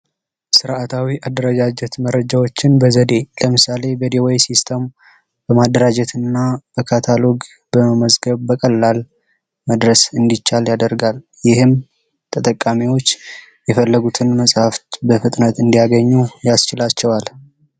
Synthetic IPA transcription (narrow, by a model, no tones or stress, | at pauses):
sɨɾʔat̪ʰawiʔad̪əɾəɡad͡ʒɛt̪məɾːəd͡ʒawo̞t͡ʃːɪnbəzəd̪e̞ləmɨsale̞bəd̪iwajsist̪ʰəm | b̥əmad̪ːəɾad͡ʒɛt̪ʰɨnːab̥əkʰat̪ʰalo̞ɡ | b̥əəməzɡəβbəkʼəlːal | məd̪ɾəsɨnd̪it͡ʃːaljad̪əɾɡal | jɪhɨm | t̪ʰət̪ʼəkʼːamiwo̞t͡ʃː | jɛfəlːəɡut̪ʰɨnməsʼhaft̪bəfɨt̪ʼnət̪ɨnd̪ijaɡəɲːujast͡ʃɪlat͡ʃːɛwal